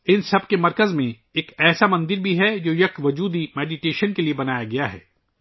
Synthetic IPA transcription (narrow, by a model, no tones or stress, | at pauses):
ɪnsɐbkemɐɾkəzmẽ | eːkɛːsamɐ̃nd̪ɪɾbʱiɦɛd͡ʒoːjɐkʋɐd͡ʒuːd̪imɛːɖiʈeːʃənkeliebɐnaːjaɡɐjaɦɛ̰ː